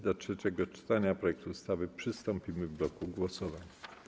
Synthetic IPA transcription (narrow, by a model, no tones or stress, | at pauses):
d̪atʂɛt͡ɕɛɡɔt͡ʂɘ̥t̪aɲapɾɔjɛk̚t̪uːst̪avɘpʂɘst̪ɔ̃mpʲimɘvblɔkuɡwɔsɔvaɲ